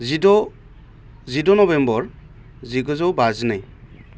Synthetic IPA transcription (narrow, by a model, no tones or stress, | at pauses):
idɔ | zidɔnɔbɛmbɔɹ | ziɡɔzɔwbazinɯj